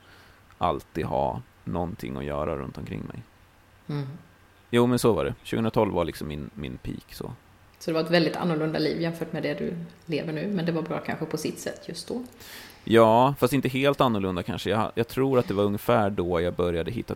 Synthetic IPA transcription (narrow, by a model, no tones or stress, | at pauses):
ʔa̰lt̪iːd̪ɦɑ̰ː | nɔnt̪ʰɪ̰ŋːɔ̰jœ̰ːɾaɾɵ̰nt̪ɔmkʰɾɪ̰ŋːmɛ̰j | juːmɛnsɔvaɖɛɕʉɡɵnɾat̪ʰɔlvaɭɪksɔmːɪnmɪnpʰḭːksɔ̰ | sɔd̪ɛvaɾɛt̪vɛld̪ɪt̪ʰa̰nːʊɭɵnd̪aliːvjɛmfœːʈmɛd̪ɛd̪ɵ̰lḛːvəɳʉ̟ːmɛnd̪ɛvaɾbɾɑ̰ːkʰa̰nɧəpʰɔsɪt̪sɛ̰t̪ːjɵst̪̚d̪ɔjɑːfast̪ɪnt̪əɦeːlt̪anːʊɭɵnd̪akʰanʂəjajɑːɡ̚t̪ʰɾuːɾat̪̚d̪ɛvaɾɵŋːəfæːɖɔjɑɡ̚bœɾjad̪əɦɪt̪ːa